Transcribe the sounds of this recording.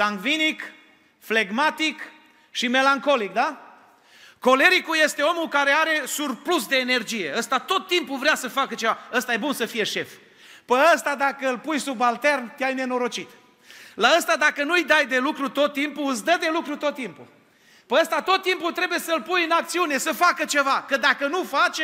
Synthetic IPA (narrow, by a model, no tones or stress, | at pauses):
zaŋɡvinik | fle̞ɡmat̪ik | ʃime̞laŋko̞lik̚d̪a | ko̞le̞ɾikuje̞st̪e̞o̞mulkaɾe̞aɾe̞surplusd̪e̞ːne̞rd͡ʒije̞əst̪at̪o̞t̪ːimpuvɾeasəfakət͡ʃe̞vaəst̪aje̞bunsəfije̞ʃe̞f | pəəst̪ad̪akəɨlpujsubalt̪e̞rnt̪eajne̞no̞ɾo̞t͡ʃit̪ | laəst̪ad̪akənuɨjd̪ajd̪e̞lukɾut̪o̞t̪ːimpuɨsd̪əd̪e̞lukɾut̪o̞t̪ːimpu | pəəst̪at̪o̞t̪ːimput̪ɾe̞buje̞səlpujɨnakt̪siune̞səfakət͡ʃe̞vakəd̪akənufat͡ʃʲ